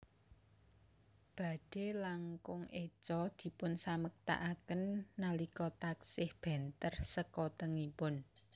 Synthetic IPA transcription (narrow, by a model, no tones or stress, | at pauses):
b̥ä̤ɖ̥e̤laŋkʊŋet͡ʃɔd̪̥i̤pʊnsamək̚t̪a̰ʔakənːalikɔt̪aksɪhb̥ɛ̤nt̪ərsəkɔt̪əŋipʊn